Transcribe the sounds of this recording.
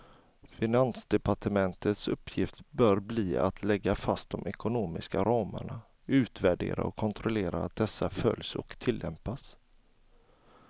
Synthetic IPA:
fɪnansd̪ɛpaʈəmɛnt̪ʰət̪sɵpʰːjɪft̪bœːɾbliːa̰t̪ʰlɛɡːafast̪̚d̪ɔmʔɛkʊnoːmɪskaɾɑːmə̰ɳa | ʉ̟ːt̪væɖḛːɾa̰ɔkʰːɔnt̪ʰɾʊleːɾaːt̪̚d̪ɛsːafœ̰ljsɔ̰kt̪ʰɪlːɛ̰mpas

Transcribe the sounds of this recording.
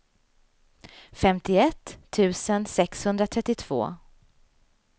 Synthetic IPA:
fɛmt̪ɪɛt̪ʰːʉ̟ːsənsɛkshɵnd̪ɾat̪ʰɾɛt̪ːɪt̪ʰv̥o̰ː

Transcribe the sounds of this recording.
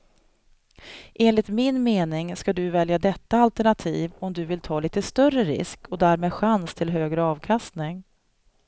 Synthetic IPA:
ʔeːnlɪt̪mɪnmeːnɪŋskad̪ɵvɛljad̪ɛt̪ːaalt̪æɳat̪ʰiːvɔmd̪ɵvɪlt̪ʰɑːliːt̪əst̪œrːəɾɪ̰skʰɔd̪æɾmeːd̪ɧanst̪ʰɪlɦøːɡɾəɑːvkʰast̪nɪŋ

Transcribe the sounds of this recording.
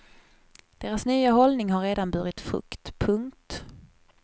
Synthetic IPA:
d̪̥eːɾasnyːaɦɔlnɪŋɦaɾːeːd̪anbœɾɪt̪fɾɵ̰kt̪pʰɵŋkt̪

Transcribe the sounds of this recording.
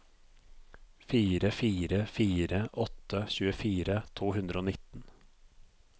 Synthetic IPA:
fiːɾəfiːɾəfiːɾəʔɔt̪əçʉːəfiːɾət̪ʰuːhʉnd̪ɾəoːnɪt̪n̩

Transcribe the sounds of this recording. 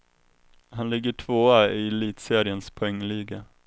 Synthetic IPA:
hanlɪɡːəʈʰvoːaɪliːt̪seːɾɪənspʰʊɛŋːliːɡa

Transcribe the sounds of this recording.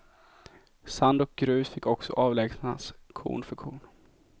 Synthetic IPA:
sand̪ɔk̚ɡɾʉ̟ːsfɪkːɔksɔ̰ʔɑːvlɛːɡsnna̰skʰṵːɳfœɾkʰuːɳ

